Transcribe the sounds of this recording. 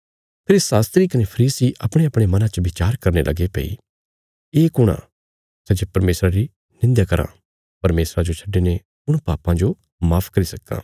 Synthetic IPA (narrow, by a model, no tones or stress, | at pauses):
pʰɪɾsaːst̪ɾikɐnepʰɐɾiːsiʔɐpɽ̃eɐpɽ̃emɐnãt͡ʃəʋɪt͡ʃaːɾkɐɾnelʔɐ̰ɡepḛḭ | eːkʊɽ̃ã̰ | sɛd͡ʒepɐɾmeːsɾaɾi | nɪ̃nd̪jakɐɾã̰ | pɐɾmeːsɾãd͡ʒot͡ʃʰɐɖːene | ʊɽ̃paːpãd͡ʒo | maːpʰkɐɾisɐkːã̰ː